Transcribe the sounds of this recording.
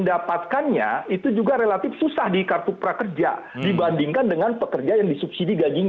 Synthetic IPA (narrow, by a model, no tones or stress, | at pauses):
ndapat̪̚kanɲa̰it̪ud͡ʒuɡaɾelat̪ɪfsusahdikart̪upɾakərd͡ʒa̰ | dibandiŋkandəŋanpəkərd͡ʒajaŋdisup̚sidiɡad͡ʒiɲ